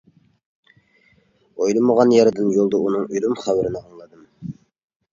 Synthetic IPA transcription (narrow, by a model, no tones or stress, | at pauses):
ojlˠɨməʁɑnjɑɾɨd̪ɨnjolˠd̪ɑunɨŋyjlumχæwɾɪnɨɑŋlˠɨd̪ɨm